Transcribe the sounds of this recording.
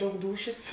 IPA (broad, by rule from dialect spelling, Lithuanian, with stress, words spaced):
ˈdɐʊk ˈduːʃʲeːs